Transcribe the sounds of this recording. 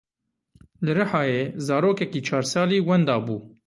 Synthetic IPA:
lɨɾɨħɑːjeːzɑːɾoːkɛkiːt͡ʃʰɑːɾsɑːliːwɛnd̪ɑːbuː

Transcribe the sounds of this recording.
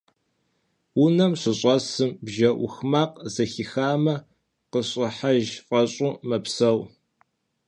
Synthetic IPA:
wunɐmɕʷɨɕʼɐsɨmbʒɐʔʷʊxmaːqʼzɐxixaːmɐ | qəɕʼɪħaʒqʼɐɕʼʊmɐpsɐw

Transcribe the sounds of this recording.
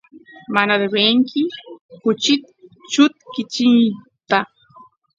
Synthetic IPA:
manad̪eweŋkʰɪkʊt͡ʃɪt̪t͡ʃʊt̪kɪt͡ʃɪŋ | t̪a

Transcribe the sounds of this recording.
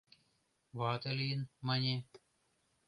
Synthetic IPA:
ʋaːt̪ɐliːnmɐɲe

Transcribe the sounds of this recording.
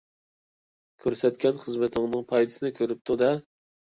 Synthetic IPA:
kʲʰøɾsɛt̪kʲʰɛnχəzmɪt̪ʰɪŋnɨŋpʰɑjd̪ɨ̥sɨnɪkʲʰøɾyp̚t̪ʰud̪ɛ

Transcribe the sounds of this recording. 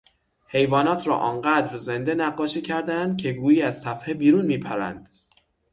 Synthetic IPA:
he̞jvɒːnɒːt̪ʰɾɒ̰ːʔɒːnɢæːd̪ɾze̞nd̪e̞næɢːɒːʃiːcʰæɾd̪ænd̪̥̚cʲʰe̞ɡuːjiːæz̥sæfhebiːɾuːnmiːpʰæɾæ̰nd̪̥

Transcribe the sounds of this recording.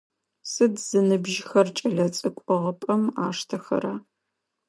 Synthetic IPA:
sɨdz̥ɨnɨbʒxɐrt͡ʃʼɐɮɐt͡sʼɨkʷʼɔʁɐpʼɐmaːʂtʰɐxɐ̰ɾaː

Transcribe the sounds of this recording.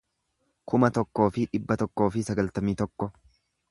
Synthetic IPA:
kʊmɐt̪ɔkːo̞ːfɪᶑɪbːɐt̪ɔkːo̞ːfɪsɐɡɐlt̪ɐmiːt̪ɔkːɔ

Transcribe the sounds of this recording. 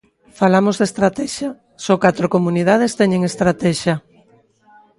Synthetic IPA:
falamozðest̪ɾat̪ɛʃɐ | sɔkat̪ɾokomunið̞að̞est̪ɛɲeŋest̪ɾat̪ɛʃɐ

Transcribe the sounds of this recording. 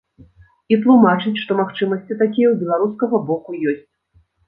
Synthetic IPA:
it̪lˠumat͡ʂɨt͡sʲʂt̪ɔmaxt͡ʂɨmɐsʲt͡sʲit̪akʲijɛwbʲɛlˠaɾuskɐɣɐbɔkujɔsʲt͡sʲ

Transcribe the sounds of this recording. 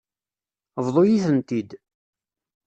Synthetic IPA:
vðˤojiθənt̪id̪

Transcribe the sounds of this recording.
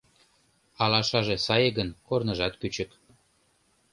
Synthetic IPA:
ɑlɑʃɑʒesɑjeɣənkornəʒɑt̪kyt͡ɕək

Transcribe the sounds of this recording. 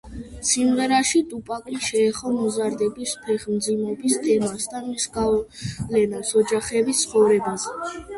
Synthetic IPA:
simʁɛɾaʃit̪ʼupʼakʼiʃɛːχɔmɔzaɾd̪ɛbispʰɛχmd̪zimɔbist̪ʼɛmasd̪anmisɡalɛnasɔd͡ʒaχɛbit̪sʰχɔvɾɛbazɛ

